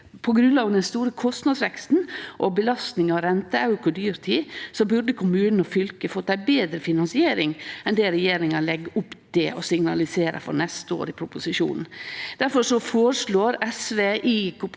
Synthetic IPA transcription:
pʰɔɡɾʉnlɑːɡənd̪ɛnst̪uːɾəkʰɔst̪nɑd̪sʋɛkst̪n̩ʔɔbəlɑst̪nɪŋɑɾɛnt̪əɑʉɾkʊd̪yːɾt̪ʰiːsɔbʉɾd̪əkʰʊmʉːnn̩ɔfʏlkəfɔt̪ːæɪbeːd̪ɾəfɪnɑnsɪeːɾɪŋɛnd̪ɛɾɛjeːɾɪŋɑlɛɡːəʊpːtd̪ɪʔɔsɪŋnɑlɪseːɾɑ̰fɔ̰ɾnɛst̪əo̰ːɾɪpʰɾʊpʊsɪʃṵːnn̩d̪̥æɾfɔɾʂɔfoːɾəʂɭoːɾɛsʋeːʔiːkʊ

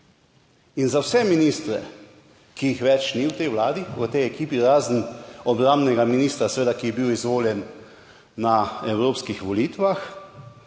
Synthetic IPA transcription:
inzawsɛminist̪ɾɛ̰ | kijixʋɛt͡ʃniwt̪ɛjʋlaːd̪iɔt̪ɛjɛkiːpiɾaːzn̩ɔbɾãmbnɛɡaminiːst̪ɾasɛʋeːd̪akijɛbiwizʋoːljɛnː | aɛwɾoːpskixʋɔliːt̪ʋax

